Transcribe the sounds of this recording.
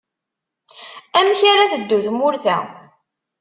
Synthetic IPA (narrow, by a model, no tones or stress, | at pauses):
æmçaɾaðəd̪ːuðmʊɾθæ̰